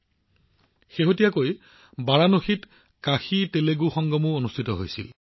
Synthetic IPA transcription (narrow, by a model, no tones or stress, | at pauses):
xeɦotijakoj | baɹanoxit | kaxiteleɡuxɔŋɡɔmuonustʰitɔɦo̰jsḭl